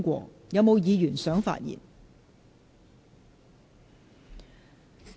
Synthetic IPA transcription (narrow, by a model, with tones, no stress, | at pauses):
kʷɔ̰ː˧ | jɐ˨˧wmo˨˧wjiː˨˧ɥyː˨˩nsœː˨˥ŋfa̰ː˧t̚jḭː˨˩n